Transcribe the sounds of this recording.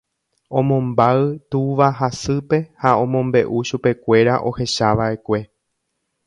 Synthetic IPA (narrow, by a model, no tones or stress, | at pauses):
õ̞mõ̞mbaɨt̪uʋaɦasɨpe̞haõ̞mõ̞mbe̞ʔuʃupe̞kʷe̞ɾaʔo̞̰he̞ʃaʋaʔe̞kʷe̞